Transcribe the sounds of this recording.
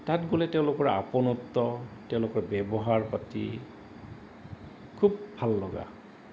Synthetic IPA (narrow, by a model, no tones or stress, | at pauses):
tatɡolɛteʊ̃lokɔɹa̰pɔnɔtːɔteʊ̃lokɔɹbɛbɔɦaɹpatḭ | kʰubːʱalːɔɡa̰